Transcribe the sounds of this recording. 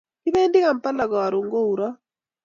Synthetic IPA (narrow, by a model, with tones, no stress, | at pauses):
ki˦βe˦ndi˦ɣa˨mpa˦la˨ɣɔ˨a˨ɾu˨ŋɡo˦u˨ɾɔ˦